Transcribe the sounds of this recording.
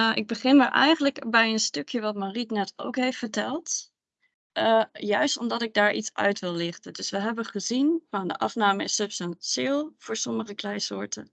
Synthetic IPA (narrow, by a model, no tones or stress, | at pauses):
ʔɪ̰ɡ̚bəχɪnmaɹʔɛ̰jχənləkbɛjənstøkʰjəʋɑtmaritnɛto̰wkɦejftfəɹtɛlˠt | əjœɥstɔmdɑtɪɡ̚daːɹʔḭtsœ̰ɥtʋɪlˠːɪχtəndɵsʋəɦɛbəχəzinfɔndə̰ʔɑfnaːməɪsəpsənsɪlˠv̥ʊːɹsɔməχəklɛjsʊːɹtə